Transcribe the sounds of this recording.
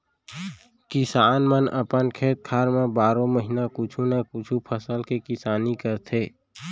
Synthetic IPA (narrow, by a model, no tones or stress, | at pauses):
kɪsaːnmənə̰pənkʰeːt̪̚kʰaːɾmẽbaːɾõməɦinakʊt͡ʃʰũnakʊt͡ʃʰupʰəsəlkekɪsaːnikəɾt̪ʰeː